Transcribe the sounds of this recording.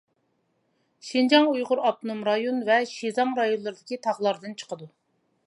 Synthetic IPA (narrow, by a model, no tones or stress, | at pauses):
ʃind͡ʒɑŋujʁʊɾɑp̚t̪ʰnumɾɑjonvɛʃizɑmɾɑjonlˠɨɾɨd̪ɪkʲit̪ʰɑʁlˠɑɾd̪ɨnt͡ʃʰə̥qəd̪u